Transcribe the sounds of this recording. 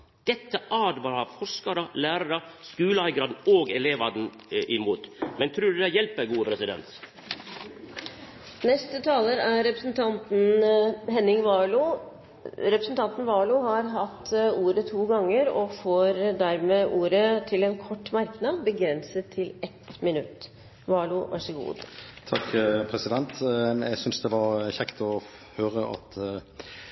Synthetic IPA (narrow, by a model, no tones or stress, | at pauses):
d̪̥ɛt̪ːəʔɑːd̪ʋɑɾɑfɔʂkɑɾəlæːɾɑɾəskʉːləɑɪɡɾɑːd̪n̩oːɡɛleːʋɑd̪n̩ | ʔɪmuːt̪mɛnt̪ʰɾʉːd̪d̪ɛjɛlpəɡuːəpʰɾɛsɪd̪ɛ̰nt̪ | nɛst̪ət̪ʰɑːləɾæɾɾɛpɾəsn̩t̪ʰɑnt̪n̩ɦɛnɪŋʋɑːɭʊ | ɾɛpɾəsnt̪ʰɑnt̪n̩ʋɑːlʊɦɑɾɦɑt̪ːuːɾət̪ʰuːɡɑŋːəɾɔfoːɾd̪æɾmeːʔuːɾət̪ʰɪlɛnkʰɔʈːmæɾknɑd̪bəɡɾɛnsət̪ʰːɪlʔɛt̪mɪnʉt̪ː | ʋɑːlʊʋʔæ̰ʂəɡṵːd̪t̪ʰɑkːpʰɾɛsɪd̪ɛnt̪ɛ̰ɪɡsʏnsd̪ɛʋɑɾçɛkt̪ɔ | høːɾəʔɑ̰t̪